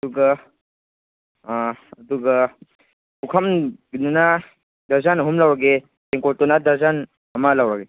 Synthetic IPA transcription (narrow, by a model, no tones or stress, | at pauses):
duɡa | duɡa | ukʰamɡinuna | dʱɐɾzanɦumlawɾaɡe | eŋkɔɾtɔnad̪ʱɐɾzan | ɐmalawɾaɡe